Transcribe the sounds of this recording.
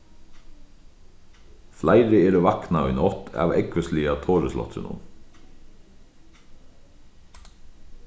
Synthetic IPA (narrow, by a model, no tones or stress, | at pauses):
flæɪɾəeːɾəʋɑknɑʏnɔt̪ʰæ̰ːʋɛkʋəsliːɑt̪ʰoːɾəslɔ̰t̪sʉ̰nʊ̰m